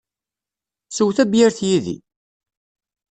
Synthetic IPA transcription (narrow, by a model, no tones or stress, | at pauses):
suwθæbjæɾθjiðḭ